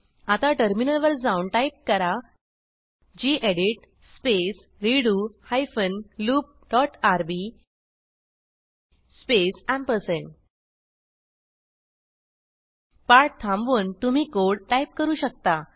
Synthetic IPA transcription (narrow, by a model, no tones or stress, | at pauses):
at̪aʈəɾminəlʋəɾd͡zaunʈajp̚kəɾa | d͡ʑiːʔeɽiʈ | spes | ɾiɽuhajfənluːp̚ɖɔʈaɾbi | spesãmpəsən | paɾʈ̚t̪ʰãmbʋənt̪um̤iːkoɽʈajp̚kəɾuːɕək̚t̪a